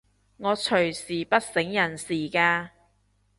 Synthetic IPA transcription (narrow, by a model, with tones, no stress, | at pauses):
ŋɔː˨˧t͡ʃʰɵ˨˩ɥsiː˨˩pɐ˥t̚sɪ˨˥ŋjɐ˨˩nsiː˨˩kaː˧